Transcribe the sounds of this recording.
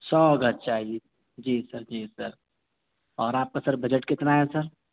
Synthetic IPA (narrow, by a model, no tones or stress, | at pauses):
sɔːɡʱət̚t͡ʃaːɦi | d͡ʒiːsəɾd͡ʒiːsəɾ | ɔːɾaːp̚kasəɾbəd͡ʒəʈkɪt̪naɦesəɾ